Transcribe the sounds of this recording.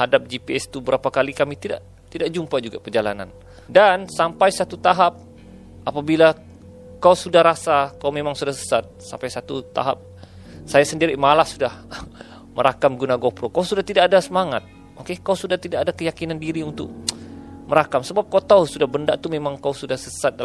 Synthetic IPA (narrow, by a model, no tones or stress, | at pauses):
hadap̚d͡ʒipiɛst̪ubəɾapakalikamit̪ida̰ʔ | t̪idaʔd͡ʒumpad͡ʒuɡapərd͡ʒala̰na̰n | dansampajsat̪ut̪aɦap̚ | ʔapabila | kausudahɾasakaumemaŋsudahsə̥sat̪̚sampajsat̪ut̪a̰ɦa̰p̚ | sajasəndiɾiʔmalahsudah | məɾakamɡunaɡopɾokawsudaht̪idaʔːdasəmaŋat̪̚ | ʔokekauwsudaht̪idaʔadakəjakinandiɾiunt̪ʊ̰k̚məɾakamsəbap̚kaut̪ausudahbənda̰ʔt̪umemaŋkawsudahsəsat̪̚dal